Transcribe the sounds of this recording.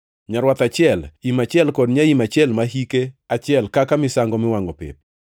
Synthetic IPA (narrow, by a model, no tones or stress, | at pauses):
ɲaɾwat̪at͡ʃɪɛlimat͡ʃɪɛlkodɲaimat͡ʃɪɛlmaɦikeat͡ʃɪɛlkakamɪsaŋɡɔmɪwaŋɔpɪ̰p̚